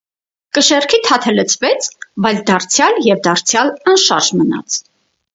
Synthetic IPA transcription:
kəʃɛrkʰit̪ʰɑt̪ʰɛlət͡sʰvɛt͡sʰbɑjld̪ɑrt͡sʰjɑljɛvd̪ɑɾt͡sʰjɑlɑnʃɑɾʒmənɑ̰t͡sʰ

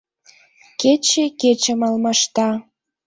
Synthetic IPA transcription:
ket͡ɕeket͡ɕə̆mɑlmɑʃt̪ɑ

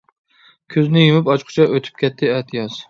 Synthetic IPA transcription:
kʲʰøznɪjumɪpɑt͡ʃqʰʊ̥t͡ʃʰɛʔøt̪ʰy̥p̚kʲɛt̪ʰːɪɛt̪ʰjɑz

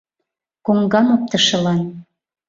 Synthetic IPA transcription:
koŋɡɑmop̚t̪əʃɤ̆lɑn

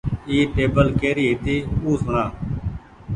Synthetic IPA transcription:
iːʈeːbəlkeːɾiːɦt̪iːuːsnãː

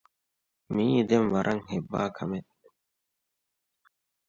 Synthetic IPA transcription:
miːd̪emʋɐɾʔɐŋhebːa̰ːkʰɐme

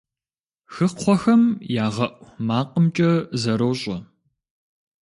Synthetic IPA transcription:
xɨqʰʷɔxɐmjaːʁɐʔʷmaːqʼəmt͡ʃʼɐzɐɾɐwɕʼɐ

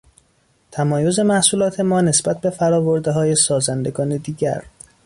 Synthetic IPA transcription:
t̪ʰæmɒːjo̞ze̞mæhsuːlɒːt̪ʰe̞mɒːne̞sbæt̪̚be̞fæɾɒːvo̞ɾd̪e̞ɦɒːje̞sɒːzænd̪e̞ɡɒːne̞d̪iːɟæ̰ɾ

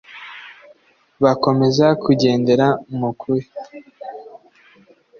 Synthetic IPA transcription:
βako̞me̞zakʰuɟe̞ːnde̞ɾamukʰuɾe

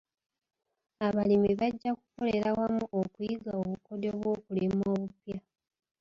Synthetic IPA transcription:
aβalimiβaɟːakuko̞le̞ɾawamuʔokujiɡaoβuko̞do̞βwo̞ːkulimoːβupja

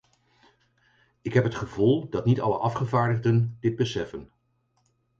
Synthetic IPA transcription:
ɪkɦɛpɦətχəvulˠdɑtnitɑ̰lə̰ʔɑfχəvaːɹdəχdəndɪd̚bəsɛfən

